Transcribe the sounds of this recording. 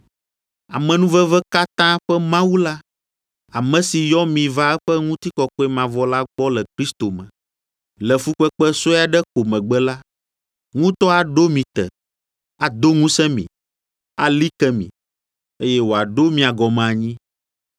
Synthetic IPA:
a˨mɛ̃˨nũ˦vɛ˦vɛ˦ka˦t̪ã˦ɸɛ˦mã˦wu˦la˦ | a˨mɛ̃˨si˨jɔ˦mĩ˨va˦ɛ˦ɸɛ˦ŋũ˦t̪i˦kɔ˨kɔ˦ɛ˦mã˨vɔ˦la˦ɡ͡bɔ˦lɛ˨kɾi˦st̪o˨mɛ̰̃˨ | lɛ˨fu˦k͡pɛ˦k͡pɛ˦so˦a˨ɖɛ˦ko˨mɛ̃˨ɡ͡bɛ˦la˦ | ŋũ˦t̪ɔ˦a˨ɖo˦mĩ˨t̪ɛ̰˨ | a˨d̪o˦ŋũ˦sɛ̃˦mḭ̃˨ | a˨li˦kɛ˦mḭ̃˨ | e˦jɛ˦wo˨a˨ɖo˦mĩ˨a˨ɡɔ˨mã˨ɲĩ˦

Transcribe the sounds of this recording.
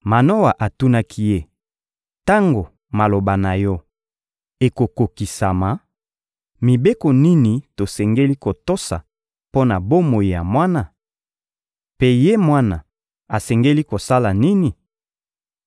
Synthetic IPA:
ma˨no˦wa˨ʔa˨tu˦na˦kʰi˦je˦ | ta˦ŋɡo˨ | ma˨lo˨ba˨na˨jɔ˦ | e˨ko˨ko˨ki˨sa˨ma˨ | mi˨be˦ko˨ni˦ni˨to˨sɛ˨ŋɡe˦li˦ko˨to˦sa̰˨ | po˦na˨bo˦mo˨ji˨ja̰˨mwa˦na˨ | pe˦je˦mwa˦na̰˨ | a˨sɛ˨ŋɡe˦li˦ko˨sa˦la˨ni˦ni˨

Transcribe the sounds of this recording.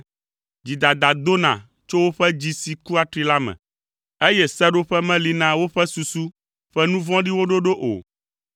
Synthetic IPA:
d͡ʑi˨d̪a˨d̪a˨d̪o˦nã̰˨ | t͡ʃo˦wo˦ɸɛ˦d͡ʑi˦si˨ku˦a˨t̪ɾi˦la˦mɛ̰̃˨ | e˦jɛ˦sɛ˦ɖo˦ɸɛ˦mɛ̃˦li˨nã˦wo˦ɸɛ˦su˨su˦ | ɸɛ˦nũ˦vɔ̃˦ɖi˦wo˦ɖo˦ɖo˦ʔo̰˨

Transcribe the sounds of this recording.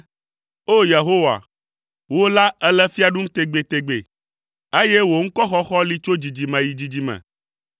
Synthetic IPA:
o˦je˨ɦo˦wa̰˨ | wo˦la˦ɛ˦lɛ˦fi˦a˨ɖũ˦m̩˦t̪e˨ɡ͡be˨t̪e˨ɡ͡bḛ˨ | e˦jɛ˦wo˨ŋ̩̃˦kɔ˦xɔ˦xɔ˦li˦t͡ʃo˦d͡ʑi˨d͡ʑi˨mɛ̃˨ji˨d͡ʑi˨d͡ʑi˨mɛ̰̃˨

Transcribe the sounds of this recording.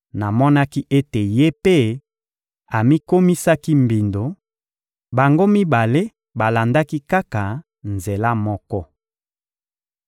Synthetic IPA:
na˨mɔ˦na˦ki˦ʔe˦te˨je˦pe˦ | a˨mi˦ko˦mi˦sa˦ki˦mbi˨ndo˨ | ba˨ŋɡo˦mi˦ba˨le˦ | ba˨la˨nda˦ki˦ka˦ka˨ | nze˨la˦mɔ˦kɔ˦

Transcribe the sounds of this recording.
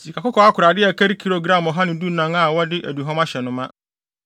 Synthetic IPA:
si˨kʰa˨kʊ˦kʰɔ˨˦a˦kʰʊ˨ɾa˨dɪ˦ɛ˨kʰɛ˦ɾkʰi˦ɾo˨ɡɾã˦˨mɔ˨ɦa˦nɪ̃˨du˦nã˨ŋa˨wɔ˦dɪ˦ʔæ˨du˨ɦɔ̃˦ma˦ɕɛ˨nʊ̃˦mã˦

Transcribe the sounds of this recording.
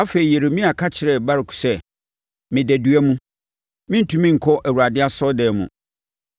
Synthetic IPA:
a˦fe˨ɾi˨je˨ɾe˨mĩ˦a˨kʰa˦t͡ɕʰɪ˨ɾɛ˨ba˦ɾɪ˨kʰu̥˨sɛ˦ | mɪ̃˨dæ˨dɥɛ˦mũ˦ | mɪ̃˦n̩˦tʰũ˦mĩ˦ŋ̩˨kʰɔ˦ʔæ˨wu˨a˨dɪ˦a˦sɔ˦dɛː˨mṵ̃˨

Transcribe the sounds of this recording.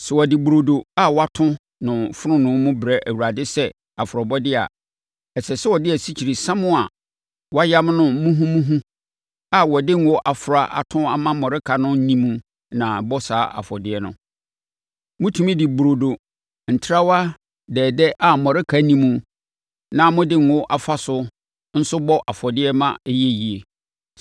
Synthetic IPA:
sɛ˨wɔ˨dɪ˨bɾo˨do˨a˦wa˦tʰʊ̃˦ | nʊ̃˨fʊ˦ɾʊ̃˦nʊ̃˨˦mʊ̃˦bɾɛ˦ʔæ˨wu˨ɾa˨dɪ˦sɛ˦ | a˨fʊ˨ɾɔ˨bɔ˦dɪ˦a̰˨ | ɛ˨sɛ˨sɛ˦wɔ˨dɪ˦ɛ˨si˦t͡ɕʰi˨ɾi˨sã˦mʊ̃˦a˨ | wɔ˦a˦ja˦mnʊ̃˦mũ˦ɦũ˦mũ˦ɦũ˦ | a˨wɔ˨dɪ˦ŋ˦wɔ˦ʔa˨fʊ˨ɾa˨ʔa̰˨tʰʊ̃˦a˨mã˦mɔ̃˨ɾɪ˦kʰa˨nʊ̃˦n̩˦nĩ˦mũ˦ | nã˨bɔ˦saː˨˦ʔa̰˨fɔ˨dɪ˦ɛ˦nʊ̰̃˨ | mʊ̃˦tʰũ˨mĩ˦dɪ˨bɾo˨do˨ | n̩˨tʰɾa˦wa˦ | dɛː˨dɛ˦ʔa˨mɔ̃˨ɾɪ˦kʰa˨˦nĩ˦mũ˨˦ | nã˨mʊ̃˦dɪ˦ŋ˨ɔ˦ʔa˨fa˦sʊ˦ | n̩˦sʊ˦bɔ˦ʔa˨fɔ˨dɪ˦ɛ˦mã̰˦jɛ˦ji˨e˨

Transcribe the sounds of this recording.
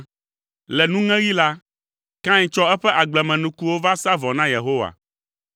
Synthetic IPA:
lɛ˨nũ˦ŋɛ̃˦ɣi˦la˦ | kã˦ɲĩ˨t͡ʃɔ˦ɛ˦ɸɛ˦ʔa˨ɡ͡blɛ˨mɛ̃˨nũ˨ku˦wo˦va˦sa˦vɔ˨nã˦je˨ɦo˦wa̰˨

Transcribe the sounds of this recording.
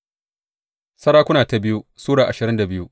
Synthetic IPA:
sɐ˦ɽaː˦kʷʊ˦naː˨ta˨bɪ˦ju˦suː˦ɽaː˨ʔa˨ʃɪ˨ɾɪ˦nda˨bɪ˦ju˦

